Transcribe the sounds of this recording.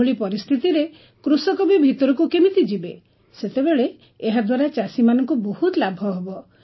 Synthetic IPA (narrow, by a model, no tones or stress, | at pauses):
oɭipɔɾist̪ʰit̪iɾe | kɾusɔkɔbibʱit̪ɔɾɔkukemit̪id͡ʒibe | set̪ebeɭeː | ɦad̪waɾat͡ʃasimanɔŋkubohut̪labʱɔɦebɔ